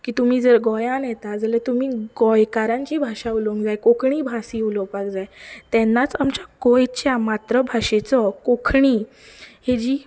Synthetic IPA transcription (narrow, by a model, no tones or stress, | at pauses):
kiːt̪um̤iːd͡zəɾɡɔjãnjɛt̪ad͡zəlat̪umiːɡɔjkaɾãɲt͡ɕiːbʱaʂauloŋkd͡zajkokʰɳiːbʱasiːulɔpakd͡zajt̪ɛnːat͡samt͡ɕakojt͡ɕjamat̪ɾəbʱaɕet͡sɔkokʰɳiː | hed͡ʑiː